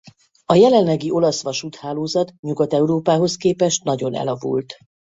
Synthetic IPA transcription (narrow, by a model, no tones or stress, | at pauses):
ɒjɛlɛnlːɛɡiʔo̞lɒsʋɒʃut̪haːloːzɒt̪ɲuɡɒt̪ɛuɾoːpaːɦo̞skeːpɛʃt̪nɒɟo̞nɛ̰lɒvṵlt̪